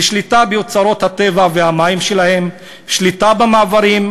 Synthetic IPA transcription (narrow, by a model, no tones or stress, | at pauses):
ʃlit̪abejot͡saɾo̞t̪hat̪e̞vavehamaimʃelahe̞m | ʃlitabamaːvaɾim